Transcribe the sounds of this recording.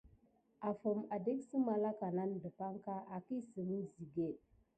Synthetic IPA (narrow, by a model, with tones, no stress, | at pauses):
a˨fə˨ma˨de˦ksə˦ma˨la˦ka˨na˦ndə˨pa˦ŋka˦ʔa˨ki˦sə˨mə˦zi˨ɡe˦˨